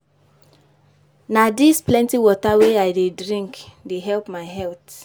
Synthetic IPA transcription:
nadisplɛ̃ntiwɔtaweaɪdedɹĩŋkdeɦɛlpmaɪɦɛlt

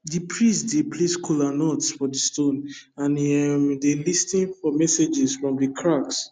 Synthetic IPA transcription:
dipʰɹistdepʰleskʰulanɔtsfɔdistõnãnɛmdelistĩnfɔmɛsed͡ʒɛsfɹɔ̃mdikʰɹaks

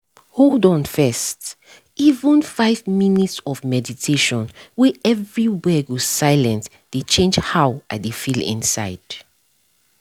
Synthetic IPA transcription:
holdɔ̃nfɛst | ivə̃nfaɪvminitsɔvmɛditʰeʃɔ̃nwɛʔɛvɹiwɛɡosaɪlɛ̃nt | d̥et͡ʃʰẽnd͡ʒhawadefilḭ̃nsa̰ɪd̥

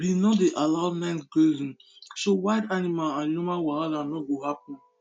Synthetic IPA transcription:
binɔdeʔalaʊmɛ̃ntɡezĩn | sowaɪdanimalãnjumawãɾalanɔɡohapɔ̃n

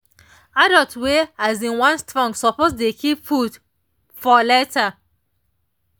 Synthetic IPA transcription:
adɔltweazĩnwãnstɹɔ̃ŋɡsɔposdekʰipfud | fɔlɛta

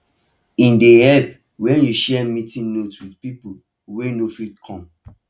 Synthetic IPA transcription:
ĩndehɛp | wɛ̃njuʃɛmĩtĩnnotswidpipo | wenofitkʰɔ̃m

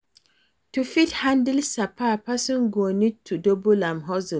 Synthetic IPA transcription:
tufithãndilsapʰapɛsɔ̃nɡonid̚tʰudobulãmɦɔz

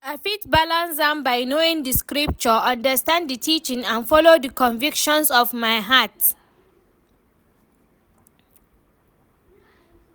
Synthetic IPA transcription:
afit̚balãnsdɛ̃mbajnoĩŋdiskɹip̚t͡ʃɔʌ̃ndəstãnddətʰit͡ʃĩŋãnfɔlodəkʰɔ̃nvikʃɔ̃nsɔvmaɪɦat

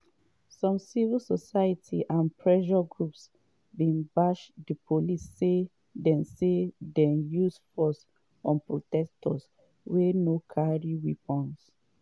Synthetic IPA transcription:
sɔ̃msivilsɔsajatʰḭʔãnpʰɹɛʃɔɡɹups | bĩnbaʃdipʰolisːe | dɛ̃nsedɛ̃njusfɔs | ɔ̃npɹotɛstʰɔ̰s | wɛnokʰaɹiwipɔ̃ns

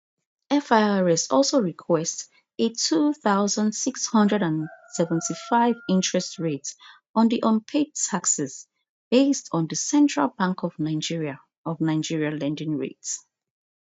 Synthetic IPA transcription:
ɛfaɹɛsɔlˠsoɹikʰwɛst | etʰuθaʊzə̃ndsikshʌ̃ndɹɛɾãnsɛvə̃ntʰifaɪvĩntʰɹ̥ɛstɹet | ɔ̃nðiʔɔ̃npʰed̚tʰaksɛs | b̥estʰɔ̃n̩ðəsɛ̃ntʰɹ̥a̰lˠbãŋkɔvnaɪd͡ʒiɹia | ɔvnaɪd͡ʒiɹialɛ̃ndɪ̃ŋɹḛts

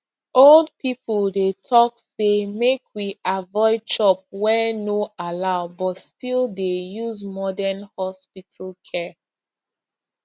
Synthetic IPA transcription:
old̚pʰipəlˠdetʰɔk̚semekʰwiavɔɪd̚t͡ʃɔp̚wɛnoalaʊbɔtstilˠdejuzmɔdənhɔspitʰalˠkʰɛ

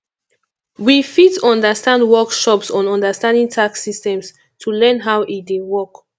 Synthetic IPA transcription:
wifitɔ̃ndəstãndwɔkʃɔpsɔ̃nɔ̃ndəstãndĩŋtʰaksistɛ̃ms | tʰulɛ̃nɦawʔidewɔk

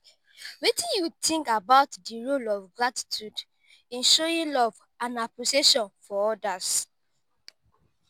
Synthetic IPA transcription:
wetĩnjutʰĩŋkabaʊtdiɹolɔvɡɹati̥tʰjud | ɛ̃nʃɔĩnlɔv | ãnaposeʃɔ̃nfɔɔdas

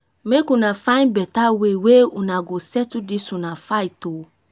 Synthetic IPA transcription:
mekunãfãj̃nbɛtaweweunãɡosɛtudisũnãfaito

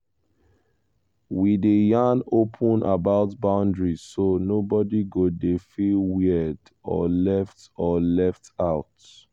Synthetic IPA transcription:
widejãnopʰə̃nʔabaʊtbãʊ̃ndɹisonobɔdiɡodefilwid | ɔ̰lɛftɔlɛftaʊt

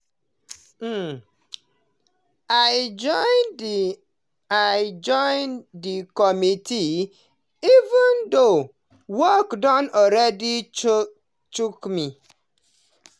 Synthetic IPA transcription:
aɪd͡ʒɔɪn | aɪd͡ʒɔɪndikɔmiti | ivũndo | wɔkdɔ̃nɔɾɛdi | t͡ʃukmi

